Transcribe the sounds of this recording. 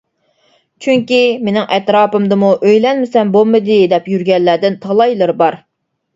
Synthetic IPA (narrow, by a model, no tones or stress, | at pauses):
t͡ʃʰyŋkʲimenɪŋʔɛt̪ɾɑːpɨmd̪ɨmuʔøjlɛnmɪsɛmbolˠmɨd̪ɨd̪ɛpjyɾɡʲɛlːæd̪ɪnt̪ʰɑlˠɑjlˠɨɾbɑɾ